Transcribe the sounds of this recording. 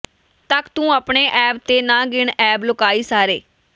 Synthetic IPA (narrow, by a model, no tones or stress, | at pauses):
t̪əkt̪ũːəːpɳeːʔɛːp̚t̪eːnãːɡɪɳɛːblʊkaːiːsaːɾeː